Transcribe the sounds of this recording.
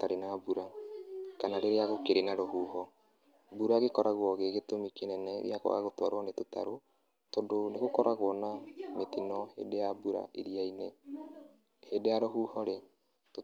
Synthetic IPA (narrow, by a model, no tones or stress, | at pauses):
taɾenabuɾakanaɾeɾeaɣokeɾenaɾoɦuːhɔ | buɾaɣekɔɾaɣwɔɣeɣetomikenɛnɛ̰ḭjaɣɔ̰ɣa̰ɣotwa̰ɾwanetota̰ɾo | tondoneɣokɔɾaɣwɔnametinɔhḛdejabuɾa̰ʔeɾiaine | hedejaɾoɦuːhɔɾe | to